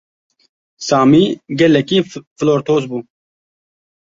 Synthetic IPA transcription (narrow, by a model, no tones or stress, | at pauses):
saːmiːɡɛlɛkiːfloːɾt̪ʰoːzbuː